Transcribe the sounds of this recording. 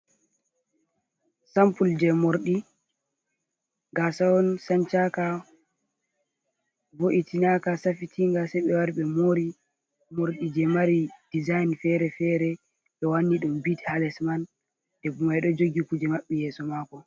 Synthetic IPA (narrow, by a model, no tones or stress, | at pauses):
sampuld͡ʒɛmoɾɗi | ŋɡasawɔnsant͡ʃaka | voʔitinakasafitʰiŋɡasajɓɛwaɾɓɛmoɾi | moɾɗid͡ʒɛmaɾid̥izajnfɛɾɛfɛɾɛ | ɗɛwanːiɗumbithalɛsman | d̥ɛbumajɗɔd͡ʒoɡikud͡ʒɛmaɓːɛjɛːsɔmakɔ